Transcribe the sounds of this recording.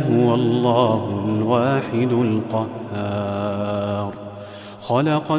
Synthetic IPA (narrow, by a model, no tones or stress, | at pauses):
ɦʊwalˤːɑːɦʊlwaːħɪd̪lqɑhːaː | ɾˤ | xɑlɑqɑ